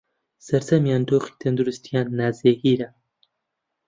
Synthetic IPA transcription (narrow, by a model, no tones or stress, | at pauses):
sɐɾt̪ɐmjaːnd̪oːχi̥t̪ʰɐnd̪uɾust̪ʰijaːnːaːzeːhiːɾɐ